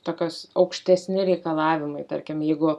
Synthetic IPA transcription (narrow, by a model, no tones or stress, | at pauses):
t̪oːkʲoːsɐʊkʃʲt̪ʲɛsʲnʲɪɾʲɛɪkɐlˠɑːʋʲɪmɐɪt̪ɐ̰ɾʲkʲɪmjɛɪɡʊ